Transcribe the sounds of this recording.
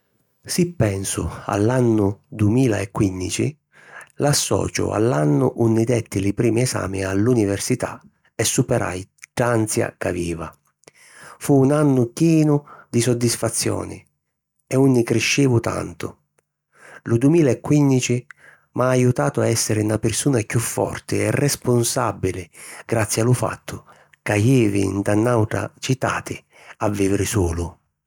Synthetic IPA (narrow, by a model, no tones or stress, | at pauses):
sipːɛnsʊ̰a̰lːanːʊd̪umiːlaɛkːwind̪it͡ʃḭ | lasːɔ̰ːt͡ʃʊ̰a̰lːanːʊʔunːid̪ɛt̪ːɪlipɾiːmiɛsa̰ːmialːunivɛrsit̪a̰ | ɛsːupɛɾʔa̰jd̪ant̪sja̰kaviːva | fuːnanːʊkjɛːnʊd̪isɔd̪ːisfat̪sːjɔ̰ːnɪ̰ | ɛunːɪkɾɪʃːɪːvʊt̪a̰nt̪ʊ̰ | lʊd̪umiːlaɛkːwind̪it͡ʃi | mʔaːjut̪aːt̪ʊaɛsːɪɾɪnapɪrsuːnakufːɔ̰rt̪ɪɛrʔɛspʊnsabːilɪɡɾat̪sːjalʊfa̰t̪ʰːʊ | kajiːvɪ̰nd̪anːawʈ̪ɾa̰t͡ʃit̪a̰ːt̪ʰɪ | avːiːvɪɾɪsuːlʊ